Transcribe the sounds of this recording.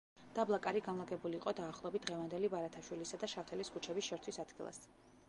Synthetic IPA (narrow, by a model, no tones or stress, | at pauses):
d̪̥ablˠakʼaɾiɡanlˠaɡɛbuliːqʼɔd̪aːχlˠɔbit̪̚d̪ʁɛvand̪ɛlibaɾat̪ʰaʃwilisad̪aʃaft̪ʰɛliskʰut͡ʃʰɛbisʃɛɾt̪ʰwisad̪̥ɡilˠa̰s